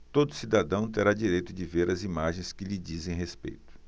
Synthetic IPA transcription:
t̪od̪ʊsid̪ad̪ɐ̃w̃t̪eɾad͡ʒiɾejt̪ʊd͡ʒɪveɾɐzimaʒẽj̃skɪʎɪd͡ʒizẽj̃ɦespḛjt̪ʊ̥

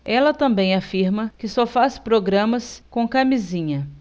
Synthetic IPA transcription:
ɛlɐt̪ɐ̃mbẽj̃afiɾmɐkɪsɔfaspɾoɡɾɐ̃mɐskõkamizĩɲɐ

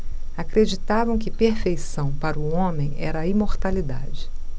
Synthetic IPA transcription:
akɾed͡ʒit̪avɐ̃w̃kɪpeɾfejsɐ̃w̃paɾʊõmẽj̃ɛ̰ɾɐaimoɾt̪alid̪a̰d͡ʒɪ

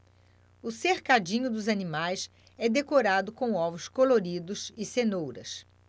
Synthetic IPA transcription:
ʊseɾkad͡ʒĩɲʊd̪ʊzɐnĩmajs | ɛd̪ekoɾad̪ʊkõw̃ɔvʊskoloɾid̪ʊsɪsenowɾɐ̰s

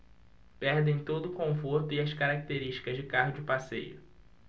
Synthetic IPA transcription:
pɛɾd̪ẽj̃t̪od̪ʊkõfoɾt̪ʊiɐskaɾak̚t̪eɾiʃt͡ʃi̥kɐzd͡ʒɪkaɦʊd͡ʒʊpasḛjʊ̰

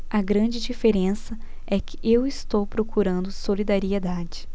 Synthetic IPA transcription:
ɐɡɾɐ̃d͡ʒɪd͡ʒifeɾẽsɐ | ɛkɪ̥ʔewɪst̪owpɾokuɾɐ̃nd̪ʊsolid̪aɾied̪ad͡ʒɪ

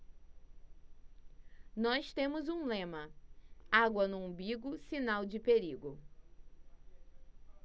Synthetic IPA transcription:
nɔst̪ẽmʊzũlẽmɐ | aɡwɐnʊũbiɡʊsinawd͡ʒɪpeɾiɡʊ

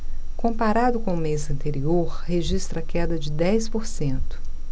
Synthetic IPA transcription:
kõpaɾad̪ʊkõʊmezɐ̃nt̪eɾioɾheʒist̪ɾɐkɛd̪ɐd͡ʒɪd̪ɛjspoɾsẽnt̪ʊ̥

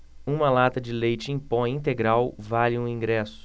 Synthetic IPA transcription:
ũmɐlat̪ɐd͡ʒɪlejt͡ʃɪĩpõj̃ĩt̪eɡɾawvalɪũĩɡɾɛsʊ̥

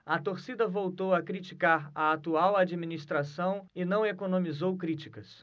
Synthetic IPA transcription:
ɐt̪oɾsid̪ɐvowt̪owɐkɾit͡ʃikaɾɐat̪uawad͡ʒiminist̪ɾasɐ̃w̃ɪnɐ̃w̃ekonõmizowkɾit͡ʃikɐs

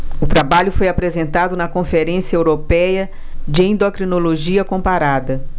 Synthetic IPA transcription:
ʊt̪ɾabaʎʊfojapɾezẽnt̪ad̪ʊnɐkõfeɾẽsijɐewɾopɛjɐ | d͡ʒɪẽnd̪okɾinoloʒiɐkõpaɾad̪ɐ

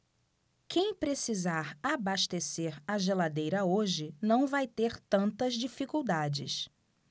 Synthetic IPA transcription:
kẽj̃pɾesizaɾabaʃt̪eseɾaʒelad̪ejɾɐoʒɪnɐ̃w̃vajt̪eɾt̪ɐ̃nt̪ɐzd͡ʒifikuwd̪ad͡ʒɪ̰s

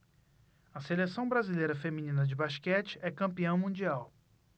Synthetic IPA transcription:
ɐselesɐ̃w̃bɾazilejɾɐfeminĩnɐd͡ʒɪbaʃkɛt͡ʃɪ̥ʔɛkɐ̃mpiɐ̃w̃mũd͡ʒiaw

